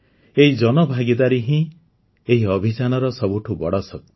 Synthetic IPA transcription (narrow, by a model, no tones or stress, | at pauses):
eɦid͡ʒɔnɔbʱaɡid̪aɾiɦĩ | eɦiɔbʱit͡ʃanɔɾɔsɔbuʈʰubɔɽɔsɔk̚t̪